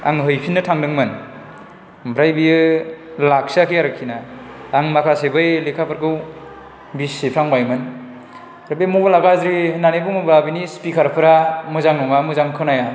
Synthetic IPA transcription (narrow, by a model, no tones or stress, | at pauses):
a̰ŋɦɯjpʰinːɯtʰaŋdɯŋmɯn | bʰɾajbiɯlak̚sakʰiaɾɯkʰːinaː | ŋmakʰasebɯjlekʰapʰɯɾɡɯw | bisipʰɾaŋbajmɯn | ɾɯbemubalaɡazɾinanebuŋbabinispikʰaɾpʰɯɾamɯzaŋnɔŋamɯzaŋkʰɯnaja